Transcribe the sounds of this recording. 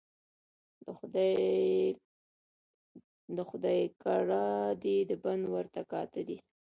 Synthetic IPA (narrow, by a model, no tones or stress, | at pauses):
d̪əxʊd̪ɑjkaɽɑd̪id̪əband̪wəɾt̪akɑt̪əd̪i